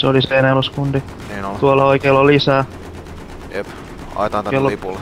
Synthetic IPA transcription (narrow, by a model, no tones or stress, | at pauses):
seoliseeneluskund̪i | eːnolt̪uolːɑoikeːlːolːisæː | jep | ɑ̰it̪ɑnt̪elːpul